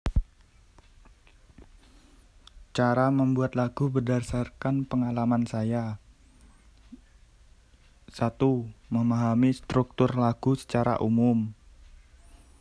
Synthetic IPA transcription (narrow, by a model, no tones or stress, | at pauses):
t͡ʃaɾaməmbuat̪laɡ̥ubərdasarkanpəŋalamansaja | sat̪uməmaɦamist̪ɾuk̚t̪ʊrlaɡ̥usə̥t͡ʃaɾa̰ʔumʊm